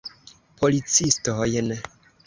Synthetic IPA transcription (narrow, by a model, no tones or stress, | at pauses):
pʰolit͡sist̪oɦojɛnɛ